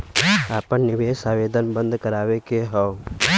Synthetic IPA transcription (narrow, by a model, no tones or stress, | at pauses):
aːpənnɪʋeːsaʋeːd̪ənbə̃nd̪kəɾaːwekeɦəo